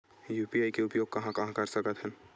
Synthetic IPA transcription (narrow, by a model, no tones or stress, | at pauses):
juːpiaːikeʊpjoːɡ̚kɐɦãkɐɦãkɐɾsɐkət̪ɦɛː